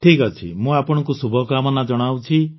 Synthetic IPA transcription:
ʈʰikɔt͡ʃʰḭmũapɔɽ̃ɔŋkusubʱɔkamɔnad͡ʒɔɽ̃awt͡ʃʰi

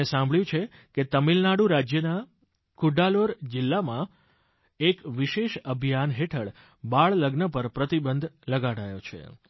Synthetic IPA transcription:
esãmbɭjũt͡ʃʰe | ket̪əmilnaɽuɾad͡ʒjəna | kʰuɖaloɾd͡ʒɪlːamã | ekʋiʃeʃəbʱijanɦeʈʰəɭ | baɭləɡnəpəɾpɾət̪ibənd̪ʱləɡaɽajot͡ʃʰḛ

